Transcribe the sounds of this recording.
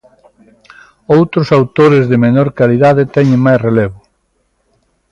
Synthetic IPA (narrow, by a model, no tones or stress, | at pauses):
owt̪ɾʊsawt̪oɾezðemenoɾkaliðaðet̪ɛɲẽŋmajsreleβʊ